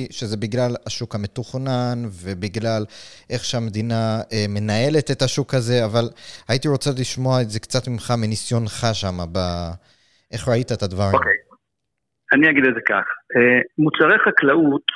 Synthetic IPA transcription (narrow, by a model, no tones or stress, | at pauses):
ʃe̞ze̞biɡlalaʃukhamet̪uχnanve̞biɡlalʔe̞χʃeamed̪inaeme̞nae̞le̞t̪ethaʃukhaze̞avalajitiʁo̞t͡saliʃmo̞aeze̞kt͡sat̪mimχamenisjo̞nχaʃamaba | ʔe̞χʁait̪aetad̪vaʁokej | aniaɡid̪etzekaχemut͡saʁeχaklaut̪